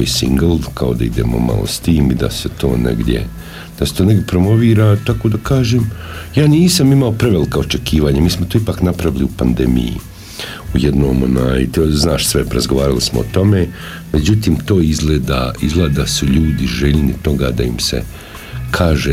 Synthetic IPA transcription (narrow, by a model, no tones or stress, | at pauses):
isḭŋɡlˠkʰao̞d̪aid̪e̞̰ːmo̞̰ma̰lˠo̰st̪iːmid̪a̰set̪o̞̰ːnḛɡd̪je̞̰ | d̪̥aset̪oːne̞ɡdʲjepɾo̞mo̞ʋiːɾat̪akod̪akaːʒeːmjaːniːsamimao̞pɾeʋelikao̞t͡ʃe̞kiːʋaːɲamiːsmot̪oːipaːknapɾaʋiliupand̪e̞mḭjḭ | ujed̪no̞ːmo̰naːjt̪znaːʃsʋeɾa̰zɡoʋaːɾalismoot̪o̞me | me̞d͡ʑut̪iːmt̪o̞ːizɡleːd̪a̰izɡlˠeːd̪asuʎuːd̪iʒeʎnit̪o̞ɡa̰d̪aimsḛ | kʰaːʒe